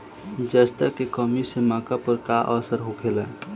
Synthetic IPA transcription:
d͡ʒəst̪əkekɔmisemãːkapəɾkaʔəːsəɾɦokʰela

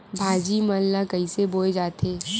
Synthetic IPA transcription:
bʱaːd͡ʒimənlakɐiseboːed͡ʒaːt̪eː

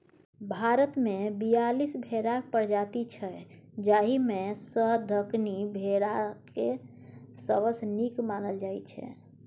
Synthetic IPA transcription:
bʱaɾət̪mebijalisbʱeɽapəɾd͡ʒat̪it͡ʃʰɛd͡ʒaɦimesəɦd̪ʱəknibʱeɽake | səβəsnikmanəld͡ʒajt͡ʃʰɛ̰

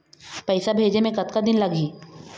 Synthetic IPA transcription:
pɛɪsabʱeːd͡ʒemẽkɐt̪kad̪ɪnlɐɡiː

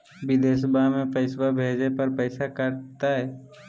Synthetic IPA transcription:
ʋɪd̪eːs̬əbʱamẽpəɪswabʱeːd͡ʒepɐɾpɛɪsakɐɾt̪aɦɛː

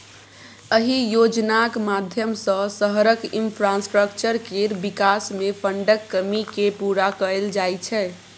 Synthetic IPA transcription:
əɦijod͡ʒnakmad̪ʱjəmsə̃səɦɾəkinpʰɾasʈɾəkt͡ʃəɾkeɾbikasmepʰəɳɖəkːəmikepuɾakəld͡ʒajt͡ʃʰɛ

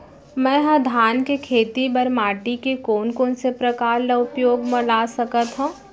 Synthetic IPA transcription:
mɛ̃ːɦɐ̃d̪ʱaːnkekʰeːt̪ibɐɾmaːʈikekoːnkoːnsepɾɐkaːɾlaʊpjoːɡmə̃laːsɐkət̪ɦõː

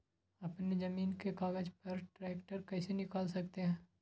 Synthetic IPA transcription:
ɐpnezɐmiːnkekaːɡəd͡ʒpɐɾʈɾɛːkʈəɾkɛːsenɪkaːlsɐk̚t̪eɦɛ̃ː

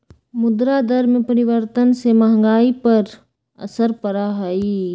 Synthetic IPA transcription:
mʊd̪ɾad̪əɾmẽpəɾɪʋəɾt̪ənsemɐɦŋɡaːipɐɾ | ə̰səɾpəɾaɦai

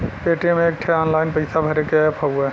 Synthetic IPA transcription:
keːʈemẽeːk̚ʈʰeɔːnlaːɪnpɐɪsabʱɐɾekepʰɐue

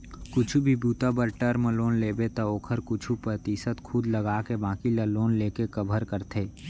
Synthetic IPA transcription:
kʊt͡ʃʰubʱibuːt̪abəɾʈəɾməloːnleːbet̪ɐoːkʰəɾkʊt͡ʃʰupɾət̪iːsət̪kʰʊd̪lɐɡaːkebãːkilaloːnleːkekɐbʱəɾkəɾt̪ʰeː

